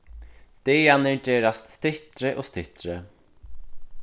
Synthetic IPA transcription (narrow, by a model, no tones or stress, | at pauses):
t̪ejanɪɳteːɾast̪st̪ɪht̪ɾɪʔost̪ɪht̪ɾɪ